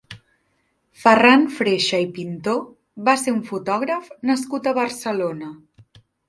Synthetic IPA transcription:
fəranfɾeʃəipint̪o | βaseuɱfut̪ɔɣ̞ɾəfnəskut̪əβəɾsəlonə

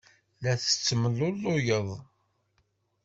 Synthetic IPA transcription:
læθə̥t͡sːməlʊlːʊjəðˤ

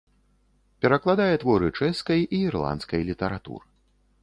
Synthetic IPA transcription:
pʲɛɾɐklˠad̪ajɛt̪vɔɾɨt͡ʂɛskɐjiirlˠa̰nskɐjlʲit̪ɐɾat̪ṵɾɨ

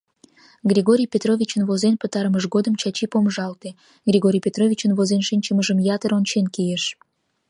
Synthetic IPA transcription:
ɡrʲiɣoɾʲijpʲet̪rovʲit͡ɕənvozenpət̪ɑɾəməʃɣod̪əmt͡ɕɑt͡ɕipomʒɑlt̪e | ɡrʲiɣoɾʲijpʲet̪rovʲit͡ɕənvozenʃinʲt͡ɕəməʒəmjɑt̪əɾont͡ɕenkijeʃ

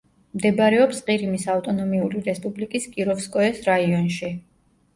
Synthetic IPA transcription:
md̪ɛbɾɛɔpsqʼiɾimisaft̪ʼɔnɔmiuliɾɛspʼublikʼiskʼiɾɔfskʼɔɛsɾaiɔnʃi

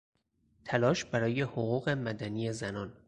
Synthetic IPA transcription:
t̪ʰælɒːʃb̥æɾɒːje̞hoɣuːɣe̞mæd̪æniːjezænɒːn

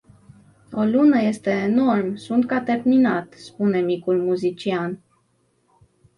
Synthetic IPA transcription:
o̞lunəje̞st̪e̞ːno̞rmsunt̪kat̪e̞rminat̪spune̞mikulmuzit͡ʃian

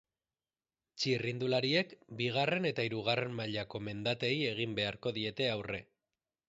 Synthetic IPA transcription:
t͡ʃirind̪ulaɾie̞kbiɣ̞are̞ne̞t̪aiɾuɣ̞are̞mmaʎako̞me̞nd̪at̪e̞je̞ɣimbe̞aɾko̞ðie̞t̪e̞awre̞

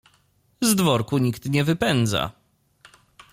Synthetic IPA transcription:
zd̪vɔɾkuɲikt̪ɲɛvɘpɛnd̪za̰

